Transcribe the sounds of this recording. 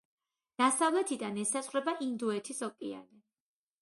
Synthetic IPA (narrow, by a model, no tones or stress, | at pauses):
d̪̥asavlɛt̪ʰid̪anɛsasχwɾɛbaʔind̪uɛt̪ʰisɔkʼia̰ni